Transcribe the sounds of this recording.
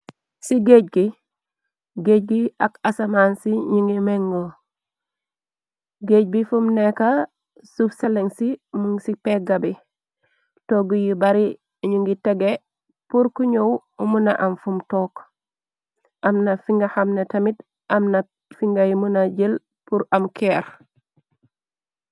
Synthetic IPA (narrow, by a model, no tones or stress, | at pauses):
siɡeɟ̚ɡi | ɡeɟ̚ɡiakasamaːnsiɲiŋɡimeŋːo | ɡeːɟ̚bifumneka | sufseleŋsimuŋsipeɡabi | toɡujibaɾi | ɲuŋɡitɛɡe | puɾkuɲowumunaʔamfumtɔːk | ʔɐmnafiŋɡahamnetɐmit | ʔɐmna | fiŋɡajimunaɟil | puɾɐmkɛɾ